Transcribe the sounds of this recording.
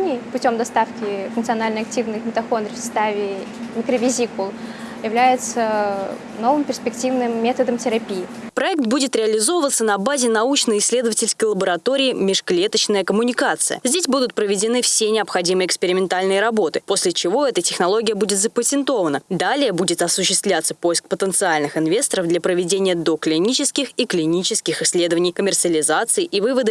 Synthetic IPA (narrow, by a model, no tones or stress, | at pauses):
nʲɪjpʊtʲo̞md̪ɐst̪afkʲɪfʊnk̪sɨɐnalʲnəjɐk̚tʲivnɨxmʲɪt̪ɐfo̞nd̪ɾʲɪfsɐ̥st̪avʲɪmʲɪkɾəvʲɪzʲikʊlˠ | jɪvlʲæjɪt̪sə | no̞vɨmpʲɪrspʲɪktʲivnɨmːʲet̪əd̪əmtʲɪɾɐpʲijɪ | pɾɐɛk̚t̪̚budʲɪt̪ɾʲɪɐlʲɪzo̞vəvət̪sːənɐbazʲɪnɐut͡ɕnəjɪsʲlʲe̞d̪əvətʲɪlʲskəjlˠəbəɾɐt̪o̞ɾʲɪːmʲɪʂklʲe̞t̪ət͡ɕnəjəkəmʊnʲɪkat̪sɨjə̰zʲdʲesʲbud̪ʊt̪̚pɾəvʲɪdʲɪnɨfsʲenʲɪɐpxɐdʲimɨjɪkspʲɪɾʲɪmʲɪnt̪alʲnɨjəɾɐbo̞t̪ɨpo̞sʲlʲɪt͡ɕɪvo̞ɛt̪ətʲɪxnɐlˠo̞ɡʲɪjəbudʲɪt̪zəpətʲɪnt̪o̞vənəd̪alʲɪjəbudʲɪt̪ɐsʊɕːɪst̪vlʲat̪səpo̞jsk̚pət̪ənt̪sɨalʲnɨxɪnvʲe̞st̪əɾəvd̪lʲɐpɾəvʲɪdʲenʲɪjəd̪oklʲɪnʲit͡ɕɪskʲɪxiklʲɪnʲit͡ɕɪskʲɪxɪsʲːlʲed̪əvənʲɪjkəmʲɪrt̪sɨəlʲɪzat̪sɨɪʔivɨvəd̪ɨ